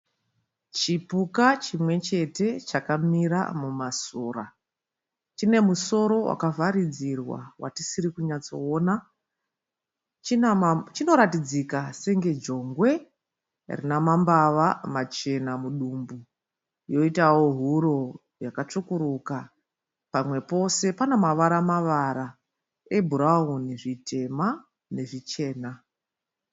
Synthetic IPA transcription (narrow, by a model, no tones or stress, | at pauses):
t͡ʃipukat͡ʃimwe̞t͡ʃe̞te̞t͡ʃakamiɾa̰mumasoːra̰ | t͡ʃine̞muso̞ɾo̞wʔa̰kavaɾid͡zirwa̰wa̰tisiɾikuɲat͡so̞oːna | t͡ʃit͡ʃino̞ɾatid͡zikaseŋɡe̞d͡ʒo̞ŋɡwe̞ | rḭnamambaʋamat͡ʃe̞namuɗumbu | jo̞itawo̞ɦuɾo̞ | jakat͡ʂukuɾuka | pamwe̞po̞se̞panomaʋaɾamaʋaɾa | e̞bʱuɾauniʐitʰe̞ma | ne̞ʐit͡ʃe̞ːna